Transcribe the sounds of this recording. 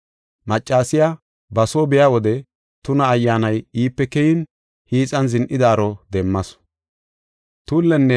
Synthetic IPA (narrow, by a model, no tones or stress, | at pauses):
mɐt͡ʃʼːaːsɪja | bɐsoːbɛjawɔd̪ɛ | t̪ʊnɐːjːaːnɐjiːpːɛkɛjɪn | hiːt͡sʼɐnzɪnʔɪd̪aːɾɔd̪ɛmːɐs | t̪ulːɛnːɛ